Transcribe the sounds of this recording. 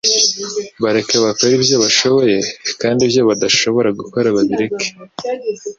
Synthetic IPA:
βaɾe̞kaβakoɾibjo̞βaʃo̞βo̞je̞kaːndibjo̞βadaʃo̞βo̞ɾaɡuko̞ɾaβaβiɾeke̥

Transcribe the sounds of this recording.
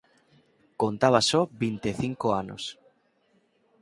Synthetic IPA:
kont̪aβasɔbint̪eθiŋkoano̰s

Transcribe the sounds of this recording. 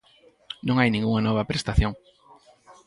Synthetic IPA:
nõŋajnĩŋɡuŋɐnɔβ̞ɐpɾest̪aθjoŋ

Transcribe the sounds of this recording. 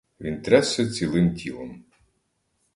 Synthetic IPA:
ʋʲint̪ɾɛsɛt͡sʲilˠɪmtʲʰilˠɔm

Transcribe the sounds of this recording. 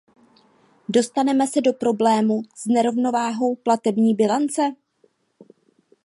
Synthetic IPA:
do̞st̪anɛmɛsɛdo̞pɾo̞blɛːmuz̥nɛɾo̞vno̞vaːɦo̞wplat̪ɛbɲiːbɪlant͡sɛ

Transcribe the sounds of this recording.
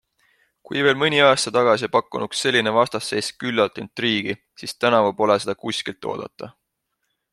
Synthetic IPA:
kujve̞ːlmɨnʲiɑːst̪ɑt̪ɑɡ̥ɑsʲipɑkːˑunuksːe̞lʲːinevɑst̪ɑsːe̞ːskylːɑt̪ˑint̪ːˑriːɡ̥i | sist̪ænɑvɑbo̞lese̞d̪̥ɑkusʲkilt̪ˑːo̰ːd̪̥ɑ̰t̪ːˑɑ

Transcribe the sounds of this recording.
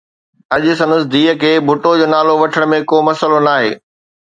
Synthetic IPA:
ɐʄʊsɐ̃nəsd̪iːɦəkʰeːbʱʊʈod͡ʑoːnaːloʋɐʈʰəɽ̃mẽkoːmɐsəlonaːɦḛː

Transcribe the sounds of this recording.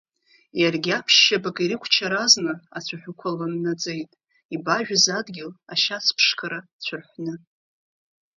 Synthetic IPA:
jarɡʲapʰʃːabakʼiɾɨkʷʰt͡ʃʰaɾaznɨat͡ɕʷʰaħʷᶣʊkʷʰalanːad͡zʼe̞jtʼ | ibaʒᶣazadɡʲɪlaʃat͡sʰpʰʂkʰaɾat͡ɕʷʰʊrħʷnɨ

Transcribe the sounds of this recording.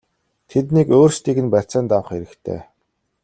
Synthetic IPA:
t̪ʰet̪nikoːrst̪iːkɘ̆npæt͡sæːnt̪awə̆χeɾɘ̆kt̪ʰḛː

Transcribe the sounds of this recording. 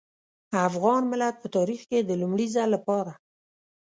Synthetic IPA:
afɣɑnmɪlat̪̚pət̪ɑɾixked̪əlumɽizalːapɑɾa

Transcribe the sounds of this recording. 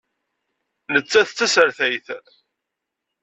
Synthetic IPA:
lət͡sːæθt͡sːæsəɾθæjθ

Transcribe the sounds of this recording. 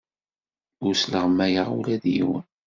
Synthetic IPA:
ʊɾsləʁmːæjəʁṵlæðjḭwə̰n

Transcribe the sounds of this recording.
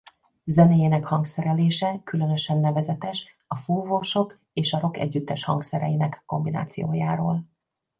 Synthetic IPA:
zɛneːjeːnɛkhɒŋksɛɾɛleːʃɛkylø̞nø̞ʃɛnːɛvɛzɛt̪ɛʃ | ɒfuːvoʃo̞k | eːʃɒɾo̞kɛ̰ɟːyt̪ːɛʃhɒ̰ŋksɛɾɛ̰jinɛkːo̞mbina̰ːt̪sijo̰ːjaːɾoːl

